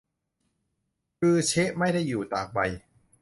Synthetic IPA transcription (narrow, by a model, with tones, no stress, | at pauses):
kɯː˧t͡ɕʰe˦˥ʔma˥˩jda˥˩jːuː˨˩t̪aː˨˩k̚ba˧j